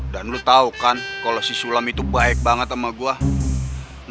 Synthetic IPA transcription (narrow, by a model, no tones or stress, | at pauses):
danlut̪aukankalosisulamit̪ubaɛk̚baŋət̪amaɡua | n